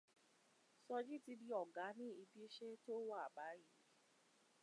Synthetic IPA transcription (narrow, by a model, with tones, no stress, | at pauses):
sɔ˧d͡ʒi˦ti˧bi˧ɔ˨ɡa˨˦nĩ˦i˧bi˦e˦ʃe˦to˦wa˦˨a˨ba˨˦ji˨˦